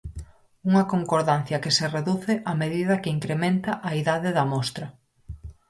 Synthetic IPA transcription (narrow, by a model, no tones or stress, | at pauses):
uŋɐkoŋkoɾðan̟θjɐkesereðuθɪʔɐmeðiðɐkɪiŋkɾemẽnt̪ɐʔɐiðaðɪðɐmɔst̪ɾɐ